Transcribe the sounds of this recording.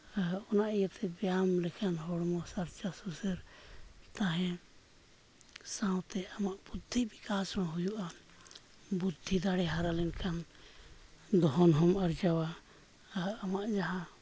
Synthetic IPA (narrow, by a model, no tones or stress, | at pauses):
ɔnaʔijat̪ʰɛbɛjamlɛkʰanɦɔɽmɔsaɾt͡ʃasusɛɾt̪aɦɛ̃ | sãwt̪ɛamaʔb̥ud̪ʱːibikasɾɔɽ̃ɦujuʔa | bud̪ʱːid̪aɽɛɦaɾalɛnkʰan | d̪ɔɦɔnɦɔmaɾd͡ʒawa | maʔd͡ʒaɦã